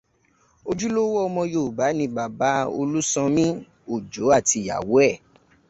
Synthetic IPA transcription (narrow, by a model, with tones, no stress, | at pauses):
o˧d͡ʒu˦lo˦wɔ˦ɔ˧mɔ̃˧jo˦˨ba˨˦nĩ˧ba˨ba˨˦o̰˧lu˦sɔ̃˧mĩ˦ | o˨d͡ʒo˨˦a˦˨ti˧˨ja̰˨wo˨˦ɛ˦˨